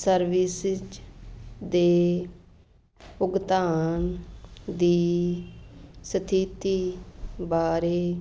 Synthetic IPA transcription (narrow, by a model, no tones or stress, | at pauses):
səɾʋɪsd͡ʒ | d̪eː | ʊɡt̪aːnd̪iː | sət̪ʰiːt̪iːbaːɾeː